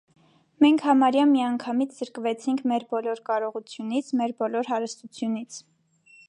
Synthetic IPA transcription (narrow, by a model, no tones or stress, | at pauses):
mɛŋkʰhɑmɑɾjɑmːiɑŋkʰɑmit͡sʰz̥əɾkəvɛt͡sʰiŋkʰmɛɾbɔlɔɾkɑɾɔʁut͡sʰjunit͡sʰmɛɾbɔlɔɾɦɑɾəst̪ut͡sʰjunit͡sʰ